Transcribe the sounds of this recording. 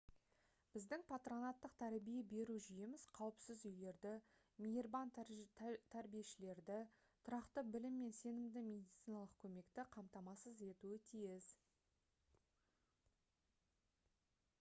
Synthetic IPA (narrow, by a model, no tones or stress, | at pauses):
b̥ɪzd̪ɪŋpʰat̪ro̞nat̪ːəq̚t̪ʰæɾbije̞be̞ɾuʒʏjemɪz̥qʰɑwəpsɪzʏjle̞ɾd̪ɪ | mʲijerban | t̪ʰæɾbije̞ʃɪle̞ɾd̪ɪ | t̪ʰʊɾɑqt̪əbɪlɪmːe̞nse̞nɪmd̪ɪmʲe̞d̪it̪sijnɑlˠəq̚kʲʰɵme̞kt̪ɪqʰɑmt̪ɑmɑsəze̞t̪uɪt̪ʰijɪz